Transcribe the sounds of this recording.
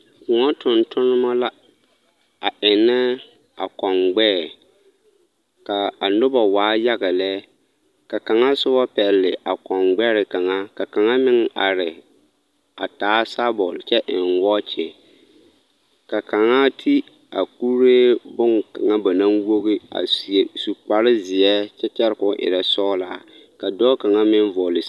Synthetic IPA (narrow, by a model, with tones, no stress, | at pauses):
kʊ˨ŋɔ˦tʰʊ˨ntʰʊ˦nɪ˦ma˦la˦ | a˨ʔɪ˨nːɛ˦ | a̰˨kɔ˨ŋɡ͡bɛː˦˨ | ka˨a˨nʊ˦ba˨waː˨˦ja˦ɣa˨lɛː˦ | ka˨ka˨ŋa˦sʊ˦bɔ˦pɛ˨lːɪ˨ʔa˨kɔ˨ŋɡ͡bɛ˦ɾɪ˨ka˨ŋa˦ka˨ka˨ŋa˦mɪ˦ŋa̰˨ɾɪ˨ | a̰˨taː˨˦sa˦bɔ˨lt͡ʃɛ˦ʔɪ˨nwɔ˦t͡ʃɛ˨ | ka˨ka˨ŋa˦tʰi˦ | a˨ku˦ɾeː˦bʊ˦ŋka˨ŋa˦ba˨na˦ŋwo˦ɣɪ˦a̰˨su˨k͡pa˨ɾɪ˦zɪ˨ɛ˦t͡ʃɛ˦t͡ʃɛ˦ɾɪ˦kʊ˦ʔɪ̰˨ɾɛ˨sɔː˦laː˦˨˦ | ka˨dɔː˦ka˨ŋa˦mɪ˦n˦vɔ˨lɪ˨